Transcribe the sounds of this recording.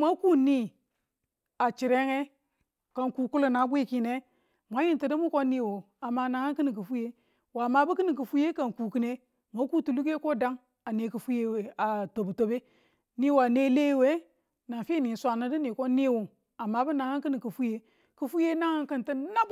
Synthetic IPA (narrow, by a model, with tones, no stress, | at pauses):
ma˦ku˦ni˦ | a˨t͡ʃi˨ɾe˦ŋe˦ | ka˨ŋku˨ku˦lu˨na˨˦ɡʷi˦ki˦ne˦ | mʷa˨˦ji˦n˨ti˨di˦mu˦ko˦ni˦˨wo˨ | a˨mːa˦na˨ŋa˦ki˦ni˨ki˨fu˦je˦ | wa˨ma˨bu˦ki˦ni˨k̬i˨fu˦je˦ka˨nku˨ki˦ne˦ | mʷa˦ku˦tu˨lu˦k̬e˦ko˦˨da˦ŋ | a˨ne˨˦ki˨fu˦je˦we˨a˨to˨bu˨to˦be˦ | ni˦wa˨ne˦le˦˨we˦ | na˨fi˦ni˨sʷa˨na˨di˦ni˨ko˦ni˦˨wo˨ | a˨ma˨˦bu˦na˨ŋa˦kɨ˦ni˨ki˨fu˦je˦ | ki˨fu˦je˦na˦ŋa˦kɨ˨nti˦na˦b